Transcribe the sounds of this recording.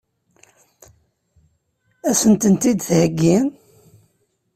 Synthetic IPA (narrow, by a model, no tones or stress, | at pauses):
æsənt̪ənt̪id̪θhəɡːin